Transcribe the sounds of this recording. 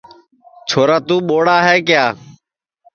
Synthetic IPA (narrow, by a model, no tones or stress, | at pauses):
t͡ʃʰoːɾaːt̪uːɓoːɽaːɦɛːkɪjaː